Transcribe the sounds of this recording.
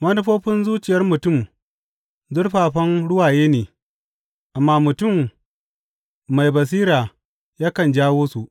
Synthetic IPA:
mɐ˦nʊ˦ɸoː˦ɸɪ˦nzuː˦t͡ʃɪ˨jɐ˦rmʊ˨tʊ˦˨m | zʊ˦rɸaː˨ɸɐ˦nɽʊ˦waː˨jeː˦neː˨ | ʔa˨mːaː˦mʊ˨tʊ˦˨m | a˨jbɐ˨s̬iː˦ɾaː˨ | jaː˦kɐ˨nd͡ʒaː˦woː˦su˨ʔ

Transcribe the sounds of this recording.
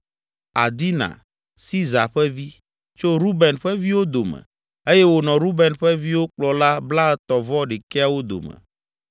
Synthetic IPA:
a̰˨d̪i˦nã̰˨ | si˦za˨ɸɛ˦vi˦ | t͡ʃo˦ɾu˦bɛ˨nɸɛ˦vi˦wo˦d̪o˨mɛ̰̃˨ | e˦jɛ˦wo˨nɔ̃˨ɾu˦bɛ˨nɸɛ˦vi˦wo˦k͡plɔ˨la˦bla˦t̪ɔ˨vɔ˦ɖe˨ke˦a˨wo˦d̪o̰˨mɛ̰̃˨

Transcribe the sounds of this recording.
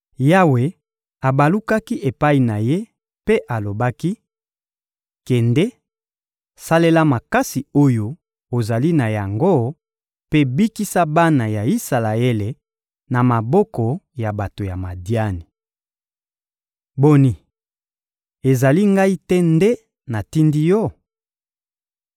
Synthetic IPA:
ja˦we˨ | a˨ba˨lu˦ka˦ki˦ʔe˨pa˦i˨na˨je˦ | pe˦ʔa˨lo˨ba˦ki˦ | kɛ˨ndɛ˦ | sa˦le˦la˦ma˨ka˦si˨o˦jo˦ | o˨za˨li˦na˨ja˨ŋɡo˦ | pe˦bi˦ki˦sa˦ba˦na˨ja˨i˦sa˨la˨e˦le˨ | na˨ma˨bɔ˦kɔ˨ja˨ba˨to˨ja˨ma˨dja˦ni˨ | bo˦ni˨ | e˨za˨li˦ŋɡa˦i˦tɛ˦ndɛ˦ | na˨ti˦ndi˦jɔ˦˨

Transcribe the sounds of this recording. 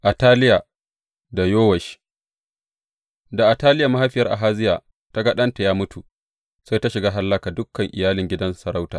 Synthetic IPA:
ʔa˨taː˦lɪ˦ja˨ | da˨joː˦wɐ˨ʃ | da˨ʔa˨taː˦lɪ˦ja˨ma˦ha˦ɸɪ˦jɐ˦rʔa̰˨ɦaː˦zɪ˦jaː˨ | ta˦ɡɐ˦ɗɐ˦nta˨jaː˦mʊ˦tu˨ | sa˦jta˦ʃɪ˨ɡaː˦ɦa˦lːɐ˦kaː˨dʊ˦kːɐ˨ŋʔɪ˨jaː˦lɪ˨ŋɡʲɪ˦dɐ˦nsɐ˨ɾa˦wta̰ː˨

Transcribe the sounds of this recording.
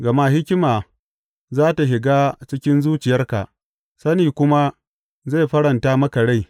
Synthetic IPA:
ɡɐ˨ma˦ɦɪ˦kʲɪ˦maː˨ | zaː˦ta˨ɦɪ˨ɡaː˦t͡ʃɪ˦kʲɪ˦nzuː˦t͡ʃɪ˨jɐ˦rka̰˨ʔ | sɐ˦niː˨kʷʊ˦ma˦ | za˦˨ɸɐ˦ɽɐ˨ntaː˦mɐ˦ka˨ɽa˦˨j

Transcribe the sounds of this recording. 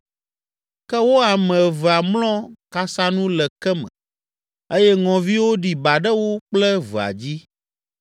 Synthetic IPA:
kɛ˦wo˦a˨mɛ̃˨və˨a˨mlɔ̃˦ka˦sa˦nũ˦lɛ˨kɛ˦mɛ̰̃˨ | e˦jɛ˦ŋɔ̃˨vi˦wo˦ɖi˨ba˨ɖɛ˦wo˦k͡plɛ˦və˨a̰˨d͡ʑi˦

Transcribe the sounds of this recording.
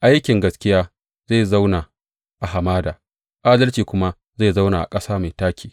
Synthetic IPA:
ʔa˦jkʲɪ˨ŋɡɐ˦skʲɪ˦jaː˦ | za˦˨za˦wna˨ | ʔa˨ha˨maː˦daː˨ | ʔaː˦dɐ˦lt͡ʃiː˨kʷʊ˦ma˦ | ze˦˨za˦wnaː˨ʔa̰˨kʼɐ˦saː˦ma˨jtaː˦kʲʰiː˨

